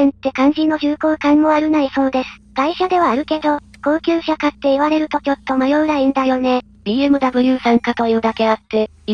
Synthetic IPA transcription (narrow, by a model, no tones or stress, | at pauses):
ẽnt̪ːe̞kãɲ̟d͡ʑinːo̞çɨːko̞ːkãmːo̞aɾɯ̟naiso̞ːd̪e̞sɨ̥kaiɕad̪e̞β̞aːɾɯ̟ke̞d̪o̞ko̞ːkʲɨːɕakat̪ːe̞iβaɾe̞ɾɯ̟t̪o̞kʲo̞t̪ːo̞majo̞ːɡ̪aĩnd̪ajo̞ne̞ | ɾʲiɯmɯ̟d̪abɯ̟jɯːsãŋkat̪o̞jɯ̟ːd̪ake̞at̪ːe̞